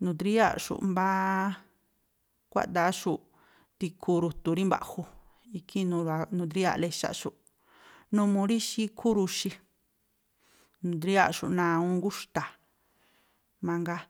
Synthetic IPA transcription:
nũ˨˧˨t̪ɾi˦a̰˦˨ʂṵ˨ʔmba˦ | kʷa̰˦ʔt̪a˧˦ʃu˧ʔ | t̪i˧kʰu˧ɾu˧t̪u˧ɾi˦mba̰˨hu˧ | i˧kʰi˦nũ˧ɾa˧nũ˧d̪ɾi˦a̰˧ʔle˧ʃa̰˦˨ʃu˧ʔ | nũ˧mũ˧ɾi˦ʃi˦kʰu˦ɾu˧ʃi˧ | nũ˧˨d̪ɾi˦a̰˦˧ʃu˨ʔnã˧ũ˦ŋɡu˦ʂt̪a˨ | mã˧ŋɡa˦

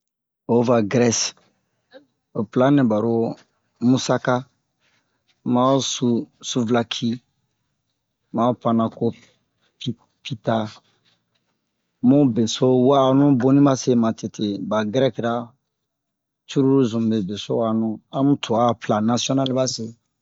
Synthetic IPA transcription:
o˨˦va˨ɡɾɛ˦s | o˨plã˦nẽ˨ba˨ɾo˦ | mu˦sa˦ka˦ | ma˨˦susu˦vla˨kʰi˦ | ma˨˦pã˨na˨ko˦ | i˦ | pi˦ta˦ | mo˦be˨so˦waː˦˨nũ˦bo˦nĩ˦ba˦se˦mã˨te˨tʰe˨ba˨ɡɾɛ˦kɾa˦ | t͡ʃu˦ɾu˦ɾu˦zũ˨be˨be˨so˦wa˦˨nũ˦ã˦mũ˦tʰu˨a˦˨pla˨na˦siɔ˦na˦lba˦se˦

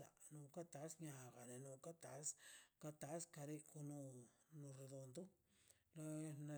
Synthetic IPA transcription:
a̰˨nũ˧˨ka˦t̪a˨˦sɲã˨˧˨ɣa˨ne˨nũ˧˨ka˦t̪a˨˦ska˧t̪a˨˦ska˧ɾi˦ku˧nũ˧nũ˧ɾe˧ðo˧nd̪u˦ | la˧n˧

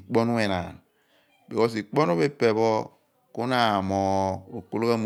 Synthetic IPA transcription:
i˨k͡po˦nu˦e˨na˨n | be˨kɔ˦s̬i˨k͡po˦n˦u˦βe˦pe˨βɔ˦ | ku˦na˨mɔ˨o˨k͡po˨lo˦ka˦m˨

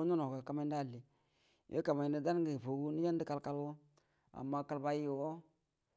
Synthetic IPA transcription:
no˦no˨ɡa˨ka˨ma˦nda˦˨li˨ | jʔḛ˦ka˨ma˨ni˨˦da˦n˦ɡi˨po˨ɡu˦ni˦ja˦n˦di˦ka˦lka˦lwo˦ | a̰˨mːa˦ka˨lba˦ji˦˨wo˦

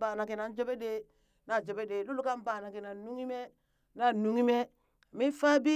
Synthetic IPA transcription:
ba˨na˨ki˨na˨n˦d͡ʒo˦be˦de˦ | na˨d͡ʒo˨be˦de˨lu˦lu˦ka˦mbaː˨na˨ki˨na˨nu˦ŋi˦me˦ | na˦˨nu˦ŋi˦me˦˨ | mi˦fa˦bi˦

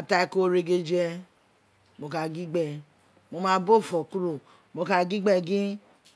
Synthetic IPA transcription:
a˨ta˧i˧˨ko˦˨ɾe˧ɡe˧d͡ʒɛ˧ | mo˨ka˧ɡi˦ɡ͡bɛ˧˨ | mo˨˧mã˧˦bo˦˨fɔ˨ku˦ɾo˨ | mo˧ka˧ɡi˦ɡ͡bɛ˧ɡĩ˦

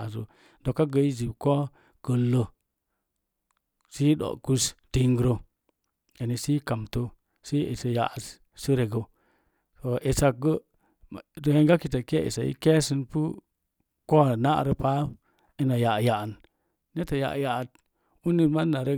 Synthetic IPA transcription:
zo̰˨ | do˨kːa˦ɡə˨i˦zi˨bko˦ | ɡ̥ə˨lːo˦ | si˦ɗo̰˨ku˦sti˦ŋɡɾo˦ | e˨ni˨si˦ka˨mto˦ | si˦ḛ˨sə˨ja̰˨ʔs | si˦ɾe˨ɡə˨˦ | to˨ʔe˨sa˨ɡə˦˨ | do˨e˦ŋɡa˦ki˨ta˨ke˦ḛ˨sa˨ḭ˦ke˦si˦npu˦ | ko˦˨na˦ʔɾə˦pa˦ | i˦na˨ja˨ʔja˨ʔn | ne˦ta˨ja̰˨ʔja˨ʔt̚ | u˦ni˦ma˦na˨ɾe˦

